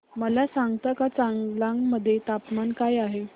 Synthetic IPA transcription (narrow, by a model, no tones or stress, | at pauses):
məlasaŋɡt̪akat͡saŋɡlaŋɡməd̪ʱːjet̪apmankajaɦe